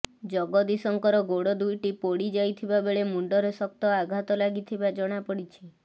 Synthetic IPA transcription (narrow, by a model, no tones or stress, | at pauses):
d͡ʒɔɡɔd̪isɔŋkɔɾɔɡoɽɔd̪ujʈipɔɽid͡ʒajt̪ʰibabeɭemuɳɖɔɾɔsɔk̚t̪ɔaɡʱat̪ɔlaɡit̪ʰibad͡ʒɔɽ̃apɔɽit͡ʃʰi